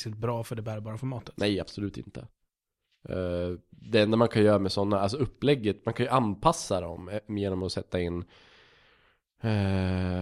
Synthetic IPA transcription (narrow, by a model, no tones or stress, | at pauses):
sɪt̪̚bɾɑːfœɖɛbæːɾabɑːɾafɔɾmɑːt̪ə̥t̪nɛjab̥sɔlʉ̟ːt̪ɪ̰nt̪ʰə̰ | d̪ɛɛnd̪amankʰanjœːɾamɛsɔnːaals̬ɔɵpːlɛɡːət̪mankʰanjɵʔanpʰasːad̪ɔ̰mjeːnɔmɔsɛt̪ːaɪnː